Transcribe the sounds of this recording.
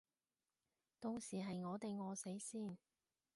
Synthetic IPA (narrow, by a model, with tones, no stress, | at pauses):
t̪o˧ŋsiː˨˩ɦɐ˨jŋɔː˨˧t̪e˨jŋɔː˨˧se˨˥jsiː˥˩n